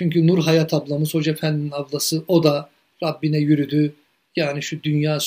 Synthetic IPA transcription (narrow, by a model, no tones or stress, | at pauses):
t͡ʃʰyɲcʰynuɾɦajat̪ʰablˠamɯz̥ho̞d͡ʒefænd̪inavlˠasɯo̞d̪a | ɾabːinɛjyɾyd̪y | jaːniʃud̪ynjaːs